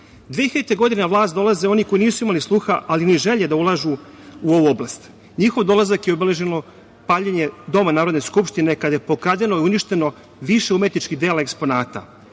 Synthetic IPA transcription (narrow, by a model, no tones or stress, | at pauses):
d̪ʋeixeet̪eɡo̞d̪inaʋlˠaːst̪d̪o̞lˠazeo̞niko̞jiniːsuimalislˠuːxaʔaliniʒeʎed̪aulˠaʒu | uo̞ʋuoblast̪ | ɲixo̞ʋd̪o̞lˠazakjeobele̞ʒeno̞ | paːʎeɲe̞d̪omanaːɾo̞d̪ne̞skupʃt̪ine̞kad̪ajepokɾad̪eno̞iuniʃt̪e̞no̞ | ʋiʃeumet̪nit͡ʃkid̪eːlaekspo̞naːt̪a̰